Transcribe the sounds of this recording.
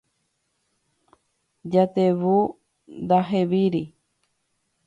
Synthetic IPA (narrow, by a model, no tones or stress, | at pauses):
d͡ʒat̪eβu | nd̪aɦeβiɾi